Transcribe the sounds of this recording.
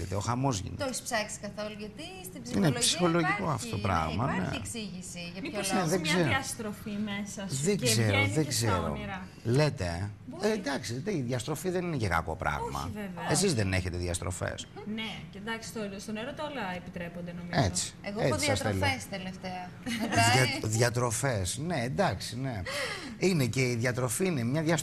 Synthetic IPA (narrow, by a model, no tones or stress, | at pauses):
ḛt̪eo̞xɐmo̞zʝḭnt̪ospsɐksi̥kɐθoluʝɐt̪i | st̪ibsiinepsi̥xo̞loʝiko̞ɐft̪ot̪opɾɐ̰ɣmmɐnḛeksiʝisiʝɐmneðeɡzeɾɐst̪ɾofimesɐðeɡzeɾoðeɡzeɾo̞̰iɾɐ | let̪e | nd̪ɐksit̪eiðʝɐst̪ɾo̞fiðe̞ninecekɐ̰ko̞̰pɾɐ̰ɣmɐ̰vevesizðene̞çe̞t̪eðiɐst̪ɾo̞̰fḛsneend̪ɐksi̥st̪olst̪oneɾot̪olɐepit̪ɾe̞pond̪enomiet͡si̥eɣoeisɐsθelst̪eleft̪eɐ | ɐðʝɐt̪ɾo̞fe̞sne̞ːnd̪ɐksine̞inece̞iðʝɐt̪ɾo̞fiinemɲɐðʝɐs